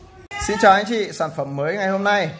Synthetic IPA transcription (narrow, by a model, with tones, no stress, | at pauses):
sḭ˧˥t͡ɕɔ˨˩ha˨˦ŋt͡ɕḭ˧˨saː˧˩nfə˧˩mːəː˨˦jŋa˨˩jho˧mna˧j